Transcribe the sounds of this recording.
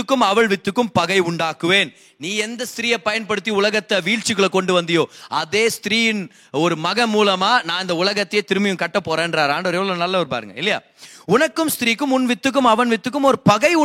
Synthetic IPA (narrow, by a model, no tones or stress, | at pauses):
ɯkːɯmɐʋɐɭʋɪt̪ːɯkːɯmpɐɣɐɪʊɳɖaːkɯʋeːn | niːɛnd̪ɐst̪ɪɾiːjɐpɐjɐnpɐɽɯt̪ːiʊlɐɣɐt̪ːɐʋiːɭt͡ʃɪkːɯɭɐkɔɳɖɯʋɐnd̪ɪjoːɐðeːst̪ɪɾiːjɪn | ɔɾɯmɐɣɐmuːlɐmaːnãːɪnd̪ɐʊlɐɣɐt̪ːɐjeːt̪ɪɾɯmɐjɯmkɐʈːɐpːoːɾeːndɾaːɾaːɳɖɯɔɾɛʋɐɭoːnɐlːɐɔɾɯpa̰ːɾɯŋɡɐ̰ɪlːɐja̰ː | ʊnɐkːɯmst̪ɪɾiːkːɯmʊnʋɪt̪ːɯk̬ːɯmɐʋɐnʋɪt̪ːɯkːɯmɔɾɯpɐɣɐɪʊ